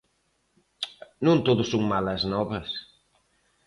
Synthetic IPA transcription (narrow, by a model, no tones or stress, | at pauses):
nõnt̪oðʊsoŋmalɐznɔβɐs